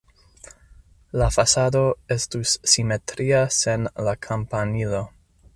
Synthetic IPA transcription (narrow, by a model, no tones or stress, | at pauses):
lafasado̞e̞stusːime̞tɾiase̞nlakʰampanilo̞